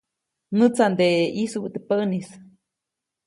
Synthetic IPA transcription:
nɨt͡sand̪eʔisubt̪əpəʔnis

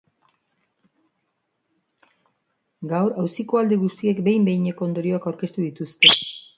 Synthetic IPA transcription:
ɡawɾawsiko̞ald̪eɣust̪ie̞kbe̞jmbe̞jɲe̞ko̞ond̪o̞ɾio̞akawɾke̞st̪uðit̪ust̪e̞

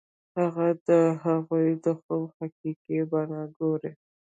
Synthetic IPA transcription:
haɣad̪əɦaɣujd̪əxomhakikebanɑɡoɾe

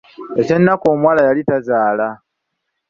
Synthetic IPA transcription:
e̞t͡ʃe̞nːako̞ːmwaːlajalitazaːla

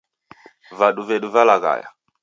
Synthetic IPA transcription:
vaɗuvɛɗuvalaɣa̰ja̰

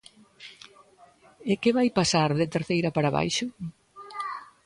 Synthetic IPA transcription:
ɪkɪβajpasaɾðɪt̪eɾθejɾɐpaɾaβa̰jʃʊ

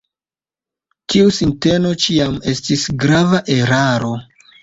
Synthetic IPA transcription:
tʰiusinte̞no̞t͡ʃiame̞stisɡɾavaʔe̞ɾaɾo̞

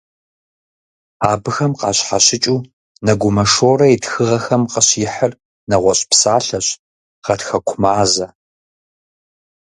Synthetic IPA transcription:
aːbɨxɐmqɑ̰ːɕħaɕɪt͡ʃʼuː | nɐɡʷʊmɐʂoːrɐitxɨʁɐxɐmqəɕjɪħər | nɐʁʷɔɕʼpsaːɬɐɕ | ʁɐtxɐkʷʰʊmaːzɐ

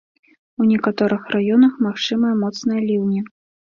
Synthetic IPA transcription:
unʲɛkat̪ɔɾɨxrʔajɔnɐxmaxt͡ʂɨmɐjɐmɔt̪snɐjɐlʲiwnʲɛ

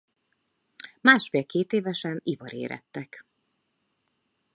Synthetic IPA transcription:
maːʃfeːlkeːt̪eːvɛʃɛnivɒɾḛːɾʔɛ̰t̪ːɛk

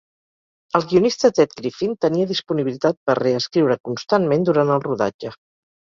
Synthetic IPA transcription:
əlˠɣiunist̪ət̪ɛt̪kɾifint̪əniəðispuniβilit̪at̪̚pərreəskɾiwɾəkunst̪anmend̪uɾant̪əlˠruða̰d͡ʒə

